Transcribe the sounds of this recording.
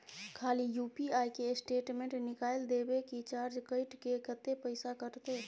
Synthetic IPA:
kʰalijupiajkesʈeʈmẽɳʈnikajld̪ebekit͡ʃaɾd͡ʒkəɪʈkekət̪ːepəɪsakəɾt̪e

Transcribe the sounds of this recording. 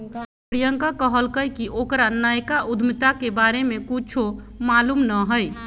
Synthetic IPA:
pəɽijəŋkakəɦəlkəjkiʔokɾanəjkaʔud̪ʱmit̪akebaɾemẽkut͡ʃʰo | malumnəɦəj

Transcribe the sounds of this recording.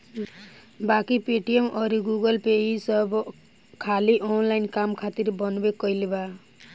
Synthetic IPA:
bakipeʈijemʌɾiɡuɡʌlpeisʌb | kʰaliʔonlainkamkʰat̪iɾbʌnbekʌjleba

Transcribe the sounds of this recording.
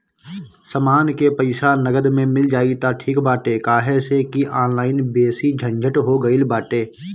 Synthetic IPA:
səmaːnkepəɪsanəɡəd̪mẽmɪld͡ʒaːit̪aʈʰiːkbaːʈekaːɦesekiʔaːnlaːɪnbeːsid͡ʒʱə̃ɲd͡ʒʱəʈɦoɡəilbaːʈeː

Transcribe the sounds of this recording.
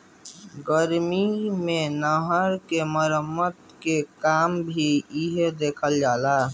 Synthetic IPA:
ɡəɾmimẽnəɦəɾkeməɾəmːəd̪kekaːmbʱiiɦed̪eːkʰəld͡ʒaːla

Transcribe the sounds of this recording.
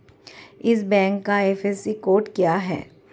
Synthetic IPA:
ɪs̬bɛ̃ːŋkːaeːfesikoːɾʈkjaɦɛ̰ː

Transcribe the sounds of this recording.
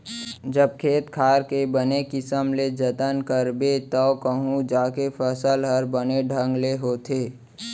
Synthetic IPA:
d͡ʒəb̚kʰeːt̪kʰaːɾkebənekɪsəmled͡ʒət̪ənkəɾbet̪ɔkəɦũd͡ʒaːkepʰəsəlɦəɾbəneɖʱə̃ŋɡleɦoːt̪ʰeː

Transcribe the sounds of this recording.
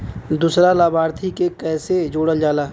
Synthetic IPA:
d̪uːsɾalaːbʱaːɾt̪ʰikekɛːsed͡ʒoːɽəld͡ʒaːlaː

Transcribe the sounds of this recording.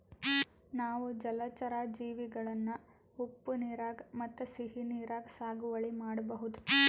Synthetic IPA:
naːʋud͡ʒɐlɐt͡ʃɐɾaːd͡ʒiːʋiɡɐɭɐnːu | upːuniːɾaːɡmɐt̪ːusiɦiniːɾaːɡsaːɡuʋɐɭimaːɽɐbɐɦud̪u

